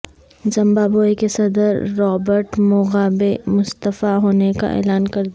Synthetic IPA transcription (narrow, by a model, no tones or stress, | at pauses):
zɐ̃mbaːboːekesɐd̪əɾːɔːbəɾʈmʊɣaːbemʊst̪əfaɦoːneka̰ʔɛ̰ːlaːnkɐɾd̪